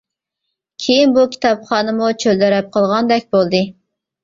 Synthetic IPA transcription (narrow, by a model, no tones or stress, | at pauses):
kʲʰejinbukʲʰi̥t̪ʰɑpχɑːnɨmut͡ʃʰøld̪ɛɾɛp̚qʰəlˠʁɑnd̪ɛk̚ʲbolˠd̪ɨ